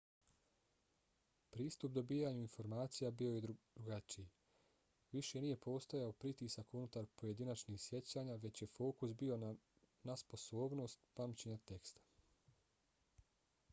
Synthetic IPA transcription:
pɾiːst̪upd̪o̞biːjaɲuinfo̞ɾmaːt̪sijabio̞jed̪ɾuɡat͡ʃiji | ʋiʃe̞nije̞po̞ːst̪o̞jaopɾit̪iːsakunut̪aɾpo̞je̞d̪inat͡ʃnixsje̞t͡ɕaːɲaʋe̞t͡ɕje̞fo̞ːkusbio̞ | naspo̞so̞ːbno̞ːst̪pamt͡ɕeɲat̪e̞kst̪ḁ

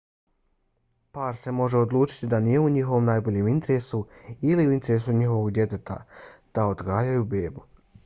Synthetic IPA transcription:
paːɾse̞mo̞ʒe̞o̞d̪lˠuːt͡ʃi̥t̪id̪anije̞uɲixo̞ʋo̞mnaːjbo̞ʎeːmint̪eɾe̞suiliuint̪eɾesuɲixo̞ʋo̞ɡd̪jet̪e̞t̪a̰d̪̥aod̪ɡaːjajube̞ːbu

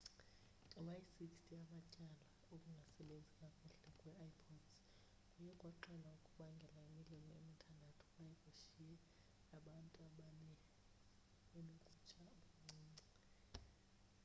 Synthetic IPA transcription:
ɛwajisikstʰʼiamacʼala | okʼuŋɡʱasɛɓend͡zʱikʼakʼuɬɛkʼwɛʔaipʰɔds | kʼujɛkʼwaǃɛlaukʼuɓaŋɡʱɛlaimililɔemikʰandʱatʰɔ̥ɓajɛkʼuʃijɛ | aɓantʼananɛ | ɓenokʼu̥t͡ʃʼaŋ͡ǀiːŋ͡ǀɛ

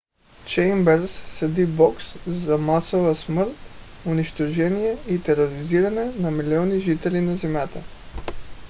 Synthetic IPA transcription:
t͡ʃɛjmbɛɾssɛd̪ibɔkszamasovəsməɾt̪ | ʊniʃt̪oʒɛnijɛit̪ɛɾoɾiziɾanɛnɐmiliɔniʒit̪ɛlinazɛmjat̪ə

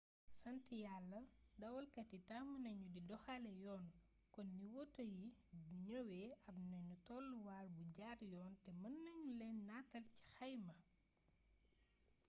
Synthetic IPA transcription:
sɐntijalːɐdɐwɐlkɐtitamɐnɐɲudidɔxalɛjɔːn | kɔnːiwɔtːəjibuɲowɛːɐbnɐnutɔlːuwaːrbuɟaːɾjɔːntɛmɐnːɐɲulɛnːatɐlci̥xɐjmɐ

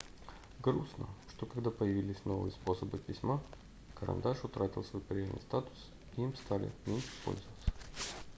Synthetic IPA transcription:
ɡɾusnə̰ʂt̪o̞kɐɡd̪apəjɪvʲilʲɪsʲno̞vɨ̰jəspo̞səbɨpʲɪsʲma | kəɾɐ̰nd̪aʂʊt̪ɾatʲɪlˠsvojpɾʲɪjalnɨ̰jst̪at̪ʊ̥s | ɪimst̪alʲɪ̰mʲenʲʂɨ̥po̞̰lʲzəvət̪sə̥

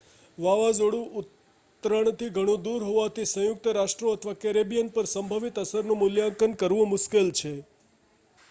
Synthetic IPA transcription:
ʋaʋad͡ʒoɽũʔut̪ː | ɾəɳ̃t̪ʰiɡʱəɽ̃ũd̪uɾɦoʋat̪isə̃jʊk̚t̪əɾaʃʈɾoət̪ʰʋakeɾebijənpəɾsəmbʱaʋit̪əsəɾnũmʊljãkənkəɾʋõmʊʃkelt͡ʃʰe

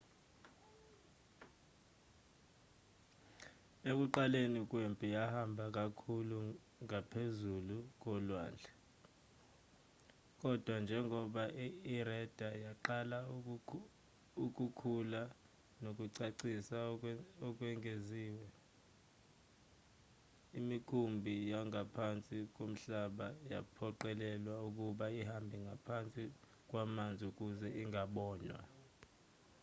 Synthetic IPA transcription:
ek̬ʼuǃalenik̬ʼwempʼijahambʱak̬ʼakʰulu | ŋapʰezuluk̬ɔlwa̰ːnd͡ɮʱɛ | k̬ʼɔd̥ʱwand͡ʒʱɛŋʱɔɓaʔirɛd̥ʱajaǃala | uk̬ʼukʰula | nok̬ʼuǀaǀisaɔk̬ʼwɛŋeziːwɛ | imikʰumbʱijaŋapʰant͡sʼik̬om̩ɬaɓaja̰pʰɔǃɛlɛlwauk̬ʼuɓaihambʱiŋɡʱapʰant͡sʼi | k̬ʼwamand͡zʱiuk̬uzɛiŋaɓɔːnwa̰

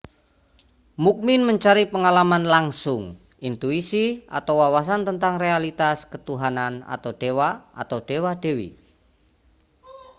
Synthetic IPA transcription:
muk̚mɪnməɲt͡ʃaɾipəŋalamanlaŋsʊŋ | ʔint̪uisiʔa̰t̪awwawas̬ant̪ənt̪aŋrealit̪askət̪uɦanana̰t̪awɖ̥ewaa̰t̪awɖ̥ewad̥ewḭ

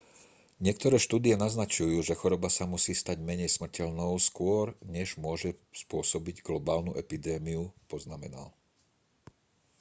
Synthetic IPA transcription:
ɲɪɛk̚t̪ɔɾɛːʃt̪uːd̪ijɛnaznat͡ʃujuːʒɛxɔɾɔbasamusiːst̪aɟmɛɲɛjsmr̩cɛʎnɔʊskʊɔɾɲɛʒmʊɔʒɛspʊɔsɔbiɟɡlɔbaːlnuʔɛpid̪ɛːmiupɔznamɛ̰na̰l

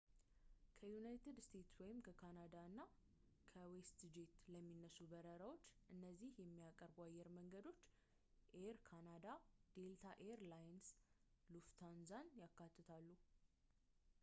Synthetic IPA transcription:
kʰəjunajt̪ʰɨd̪st̪ʰe̞t̪swɔjɪmkʰəkʰanad̪aɨnːa | kʰəwest̪d͡ʒet̪ləmːinːəsubəɾəɾawo̞t͡ʃːʔɨnːəzːihjɛmːijakʼəɾbajːɛɾməŋɡəd̪o̞t͡ʃː | ʔeɾkʰanad̪ad̪̥e̞lt̪ʰaʔeɾlajns | luft̪ʰanzanjakːat̪ʰːɨt̪ʰalːu

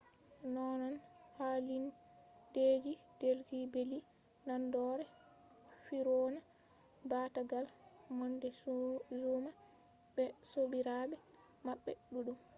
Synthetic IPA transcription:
nɔnɔnhalin | deːd͡ʒi | d̥elɡibeli | nandɔɾɛ | fiɾɔna | bataɡal | mɔndɛzuma | bɛsobiɾaɓɛ | maɓːɛ̰ɗuɗum

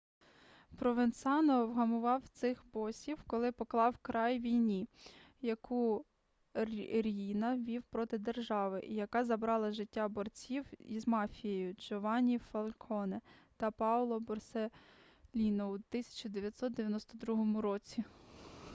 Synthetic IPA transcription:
pɾɔʋensɑnɔwɦɐmʊʋɑwt̪sɪxbɔsʲiwkɔlˠɪpɔklˠɑwkɾɑjʋʲijnʲi | jɐku | ɾʲinɐʋʲiwpɾɔt̪ɪd̪erʒɑʋɪʔijɐkɑzɐbɾɑlˠɐʒɪtʲːɑbɔrt͡sʲiwḭzmɑfʲijejʊd͡ʒɔʋɑnʲifɐlʲˠkʰɔnet̪ɐpɑwlˠɔbɔrsɛ | lʲinɔut̪ɪsʲɐ̥t͡ʃʊd̪eʋʲjɐt̪sɔt̪d̪eʋʲjɐnɔst̪ɔd̪ɾuɦɔmʊɾɔt͡sʲi

